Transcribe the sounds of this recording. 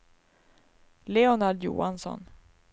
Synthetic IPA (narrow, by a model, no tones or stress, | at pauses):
leɔnaɖ̪jṵːansɔ̰n